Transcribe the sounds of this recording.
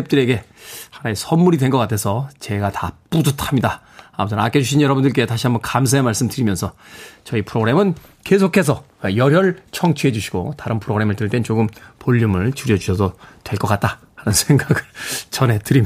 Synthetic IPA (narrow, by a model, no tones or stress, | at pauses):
ep̚t͈ɯɾe̞ɡe̞hanaesʰʌnːuɾidwe̞nɡʌk͈atʰesʰʌt͡ɕe̞ɡatap͈udutʰamɲida | amutʰɯna̰k͈ʰed͡ʑuɕ̬ʰinjʌɾʌbundɯɭk̬͈e̞taɕʰiambʌkams̬ʰaemaɭs͈ɯmdɯɾimjʌnsʰʌ | t͡ɕʌipʰɯɾoɡɾe̞mɯn | ke̞sʰokʰe̞s̬ʰʌwejʌɾjʌɭt͡ɕʰʌŋt͡ɕʰuɦe̞d͡ʑuɕʰi̥ɡ̥o̰taɾɯnpʰɯɾoɡɯɾe̞mɯɭtɯɭt͈e̞nt͡ɕoɡɯmpoʎːumɯɭt͡ɕuɾjʌd͡ʑuɕʰʌsʰʌtwe̞ɭk͈ʌk͈at̚t͈a | hanɯnsʰeŋɡaɡɯɭt͡ɕʌne̞tɯɾim